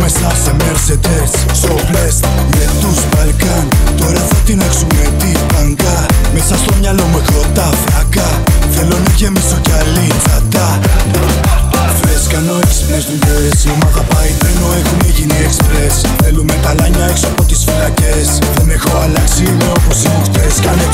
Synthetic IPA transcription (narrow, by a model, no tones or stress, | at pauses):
mesɐse̞meɾset̪es | sopɾes | met̪uspɐlkɐnt̪o̞ɾɐfot̪ineksumet̪ipɐŋɡɐmesɐst̪o̞mɲɐlo̞mexɾo̞t̪ɐfɾɐkɐ | θe̞lo̞neʝemisoceɐlizɐt̪ɐ | feskɐno̞ekspɾest̪ut̪oɾesiomɐðɐpɐɾivenoexuneʝiniekspɾes | θelumetɐlɐɲɐeksoɐpo̞t̪isfilɐces | omexoɐlɐksimeoposixuxt̪eskɐne